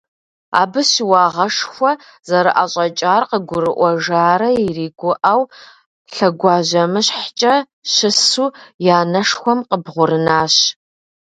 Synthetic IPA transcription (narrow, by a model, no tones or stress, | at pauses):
a̰ːbɨɕɪwɑːʁɐʂxʷɔ | zɐɾɨʔaɕʼɐt͡ʃʼaːrqəɡʷʊɾɨʔʷɔʒaːɾɐiriːɡʷʊʔaw | ɬɐɡʷɑːʑɐmɨɕħt͡ʃʼɐ | ɕɪsuːjaːnɐʂxʷɔmqəbʁʷʊɾɨnaːɕ